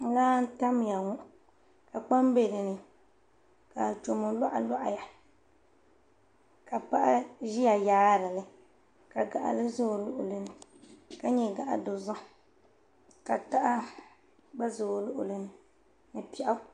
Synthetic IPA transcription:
laː˦n̩˦ta˦mja˨ŋu˦ʔ | ka˨k͡pa˦m˦be˦˨ɾɨ˨nɨ˨ | ka˨t͡ʃo˨mo˨lɔ˦ʔa̰˨lɔ˦ʔa̰˨ja˨ | ka˨pa˦ʔa˦ʒi˦ja˨jaː˦ɾɨ˨lɨ˨ | ka˨ɡa˨ʔa̰˨lɨ˦zo˦˨lʊ˦ʔʊ̰˨lɨ˨nɨ˨ka˦ɲɛ˦ɡa˨ʔa̰˨do˨za˦ | ka˨ta˦ʔa˦ | ɡ͡ba˦zo˨lʊ˦ʔʊ̰˨lɨ˨nɨ˨ | nɨ˨pi˦ʔa˦

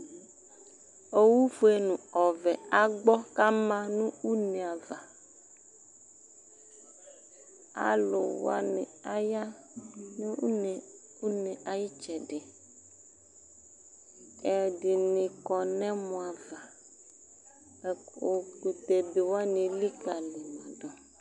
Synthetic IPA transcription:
o˦wu˦fo˦e˦nũ˨ɔ˨vɛ˨a˨ɡ͡bɔ˦ka˦mã˦nũ˦u˦nẽ˨a˨va˨ | a̰˨lo˨w̰a˦ne˨a˦ja˦ | nũ˦ne˨ | u˦nẽ˨ʔa˨ji˦t͡ʃɛ˨ɖe˨ | ɛ˨di˨nĩ˨kɔ˨nɛ̃˦mũ˨a˨va˨ | ɛ˨o˨ku˨t̪e˨be˨wo˦a˦nẽ˨li˦ka˨le˨mã˨dɔ˨

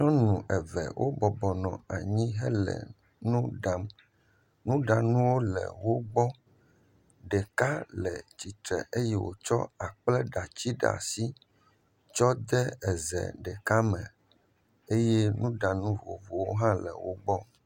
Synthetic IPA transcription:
ɲɔ̃˦nũ˨ʔɛ˨vɛ̰˨wʔo˦bɔ˨bɔ˨nɔ̰̃˨a˨ɲĩ˦ɦɛ˦lɛ̰˨ | nũ˦ɖa˨m | nũ˦ɖa˨nũ˦wo˦lɛ̰˨wo˦ɡ͡bɔ˦ | ɖɛ˨ka˦lɛ̰˨t͡ɕi˨t̪ɾɛ̰˨ʔe˦jɛ˦wo̰˨t͡ʃɔ̰˦a˨k͡plɛ˦ɖa˨t͡ɕi˦ɖa̰˨si˦ | t͡ʃɔ˦d̪ɛ˦ɛ˨zɛ̰˨ɖɛ˨ka˦mɛ̃˨ | e˦je˦nũ˦ɖa˨nũ˦vo˨vo˨wo˦ɦã˦lɛ̰˨wo˦ɡ͡bɔ˦

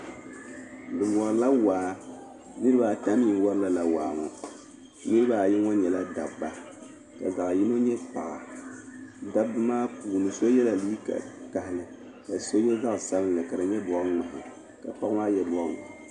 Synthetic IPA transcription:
dɨ˨wɔ˨ɾla˦waː˨˦ | nɨ˦ɾɨ˦ba˨ta˨˦mi˦˨˦wɔ˦ɾla˦la˨wa̰ː˨ŋɔ̰˨ | nɨ˦ɾɨ˦ba˨jɪ˦ŋɔ˦ɲɛ˨la˦da˨bbːa˨ | ka̰˨za˨ʔji˦no˦ɲɛ˦pa˨ʔa̰˨ | da˦bːɨ˦maː˦puː˨nɨ˨so˦jɛ˦la˨liː˦ka̰˨ka˨hɪ˨lɨ˨ | ka˨so˦jɛ˦za˦ʔsa˦lɨ˦nlɨ˨ka˨ɾɨ˨ɲɛ˦dʊ˨˦ŋŋ͡ma˨hɪ̰˨ | ka̰˨pa˦kmaː˦jɛ˦bŋ˨

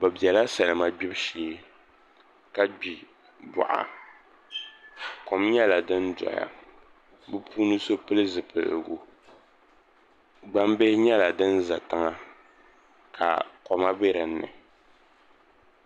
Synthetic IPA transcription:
ba˨bi˨ɛ˨la˦sa˨lɨ˨ma˦ɡ͡bi˦bʃi˨˦ | ka˦ɡ͡bi˨ | bʊ̰˨ʔa̰˨ | ko˨mɲɛ˦la˨dɨ˦ndɔ̰˨ja̰˦ | bɨ˦puː˦nɨ˦so˦pɨ˦lɨ˦zɨ˨pɨ̰˨l̰ɡo˦ | ɡ͡ba˦mbɪ˦hɪ˦ɲɛ˦la˨dɨ˦nza˨tɨ˦ŋa˦ | kʰa̰˨kɔ˨ma˦be˦ɾɨ˨n̩ːɨ̰˨

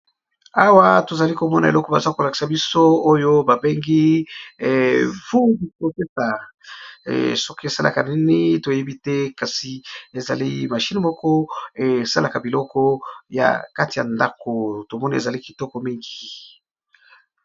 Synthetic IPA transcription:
a˦wa˦to˨za˨li˦ko˨mɔ˦na˨ḛ˨lɔ˦kɔ˦ba˨za˦ko˨la˨ki̥˨sa˨bi˦so˦o˦jo˦ba˨be˦ŋɡi˦ | fu˦di˨o˨pe˦sa̰˨ | so˦ki˦e˨sa˦lʔa̰˨ka˨ni˦ni˦to˨je˦bi˦tɛ˦ka˨si˨e˨za̰˨li˦ma˨ʃi˦ni˨mɔ˦kɔ˦e˨sa˦la˨ka˨bi˨lɔ˦kɔ˦ja̰˨ka˦ti˨ja̰˨nda˦ko˨to˨mɔ˦ni˦ḛ˨za˨li˦ki˨tɔ˦kɔ˨mi˦ŋɡi˨

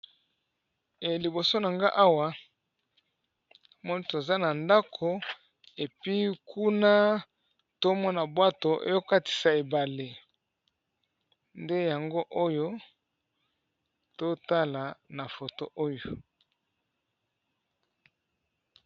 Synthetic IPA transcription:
e˨li˨bo˨so˦na˨ŋɡa˦ʔa˦wa˨ | mɔ˦ni˦to˨za˦na˨nda˦kʰo˨ | e˨pi˦kʰu˦na˦ | to˦mɔ˦na˨bwa˦to˨ʔḛ˦jo˦ka˦ti̥˨sa˨e˨ba˨le˨ | nde˦ja˨ŋɡo˦ʔo˦jo˦ | to˦ta˦la˨na˨fo˨to˦ʔo˦jo˨

